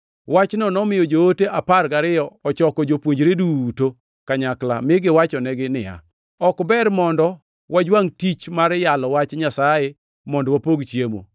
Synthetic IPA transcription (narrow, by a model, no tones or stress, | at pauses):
wat͡ʃnɔnɔmɪjɔd͡ʒooteʔaparɡaɾɪjɔɔt͡ʃɔkɔd͡ʒopwoɲd͡ʒɾeduto | kaɲakla̰mɪɡɪwat͡ʃɔnɛɡɪnɪ̰a̰ | ɔkbɛɾmɔndɔ | wad͡ʒwaŋtit͡ʃmaɾjalɔwat͡ʃɲasaje | mɔndɔwapoɡt͡ʃjemo̰